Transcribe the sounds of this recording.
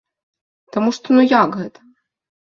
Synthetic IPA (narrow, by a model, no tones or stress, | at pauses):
t̪ɐmuʂt̪ɔnujakɣɛt̪ɐ̥